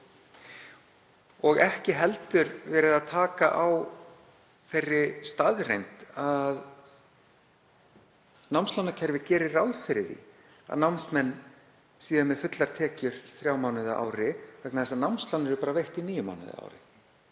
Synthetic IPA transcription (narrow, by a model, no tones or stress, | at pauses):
ɔɣɛhcɪɦɛlt̪ʏɾvɛːɾɪðaðt̪ʰaːkaʔaw | θejrːɪst̪aðrejnt̪að | nawmnst̪lanːacʰɛɾvɪcɛːɾɪrawðfɪɾɪθḭ | a̰ðnawmnsmɛnː | siːðamɛðfʏt̪laɾ̥t̪ʰɛːcʏɾ̥θɾjaːwmawnɪðaʔa̰ːwɾɪvɛknaðɛsanawmnst̪lanɪɾʏpaːɾavejht̪iniːjʏma̰wnɪ̰ða̰a̰ːwɾɪ̰